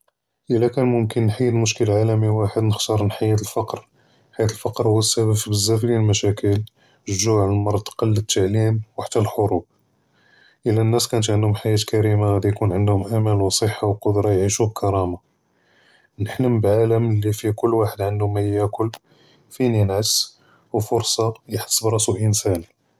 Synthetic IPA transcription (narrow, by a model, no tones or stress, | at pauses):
ʔəlːækænmʊmkənːħajːəd̪mʊʃkəlʕalæmiwaħəd̪nəxt̪ɑɾˤnħajːæt̪əlfɑqɾ | ħaijæt̪əlfɑqɾhʊwːəsːæbəbfibəzːæflilmæʃækəl | ʒʒuʕəmɑɾˤɑt̪ˤqɑlːət̪ːaʕlimwaħt̪ːælħoɾub̚ | ʔəlːænːæskænət̪ʕənd̪hʊmħajːæt̪kæɾimaɣæd̪ijkunʕənd̪hʊmʔæmælwsˤəħːawqod̪ɾˤɑjʕiʃubkʰɑɾˤɑma | nəħləmbʕaləmlːifikʊlːwaħəd̪ʕəndʊmæjækʊlː | fininʕəs | wfʊɾsˤɑjħə̥sˤːbɾˤɑsuʔənsæni